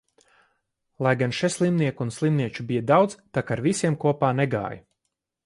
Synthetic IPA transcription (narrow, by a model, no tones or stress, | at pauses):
lˠajɡanʃɛslˠimniɛkunslˠimniɛt͡ʃubijəd̪awd̪zt̪akaɾvisiɛmkuɔpaːnɛɡa̰ːj